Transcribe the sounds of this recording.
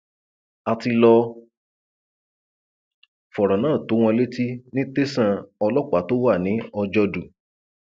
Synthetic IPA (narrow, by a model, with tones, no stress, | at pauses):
a˧ti˧lɔ˧ | fɔ˨ɾɔ˨nãː˦˨to˨˦w̃ɔ̃˧le˦ti˦nĩ˦te˦sã˦˧ɔ˧lɔ˦k͡pa˨˦to˦wa˦˨nĩ˨˦ɔ˧d͡ʒɔ˧du˨